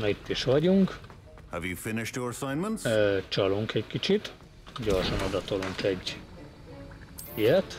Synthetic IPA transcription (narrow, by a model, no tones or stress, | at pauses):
nit̪ːiʃʋɒɟuŋk | hə̰vjufɪnɪʃtjɔɹəsãɪ̃nmə̃ntst͡ʃɒluŋkɛckit͡ʃit̪ | ɟorʃɒnod̪ɒt̪oluŋkɛɟ | ijɛt̪